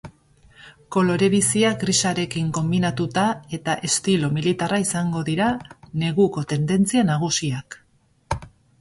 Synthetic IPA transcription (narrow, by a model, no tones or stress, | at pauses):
ko̞lo̞ɾe̞βisiak̚ɡrisaɾe̞kiŋko̞mbinat̪ut̪ae̞t̪aʔe̞st̪ilo̞milit̪araisaŋɡo̞ðiɾane̞ɣuko̞t̪e̞nd̪e̞nt͡sianaɣ̞usiak